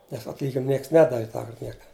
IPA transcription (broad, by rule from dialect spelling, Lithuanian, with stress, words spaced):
nʲɛs ɐtʲˈlʲiːɡʲɪnʲɪm ˈnʲiɛks ˈnʲæːdɐʋʲɪ ˈtɑːkɐrt ˈnʲiɛkɐ